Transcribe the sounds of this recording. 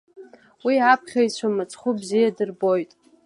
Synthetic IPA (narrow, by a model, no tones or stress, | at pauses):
wiapʰχʲajt͡ɕʷʰamɨt͡sʼχʷʊbzijadɨrbo̞jtʼ